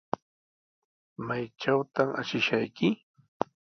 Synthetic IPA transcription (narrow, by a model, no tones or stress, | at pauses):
majt͡ʃawt̪ama̰ʃɪʃajkɪ